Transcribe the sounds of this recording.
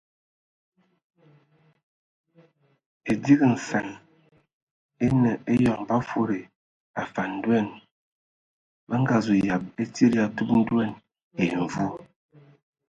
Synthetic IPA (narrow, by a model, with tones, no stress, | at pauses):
e˨di˦ɣə˨n̩˨sa˨n | e˦nə˨ʔe˦jɔ˨ŋba˦fo˦ɾe˨ | a˨fa˨n̩˦dɛ˦˨n | bə˦ŋ̩˦ɡa˨zu˨ja˨p̚e˦ti˦ɾi˦a˨tu˦p̚n̩˦dwɛ˦˨n | e˨ɱ̩˨vu˦